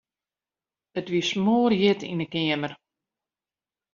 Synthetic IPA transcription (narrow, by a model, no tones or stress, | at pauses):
ətʋismoərjɪtʰḭnəkɪəmər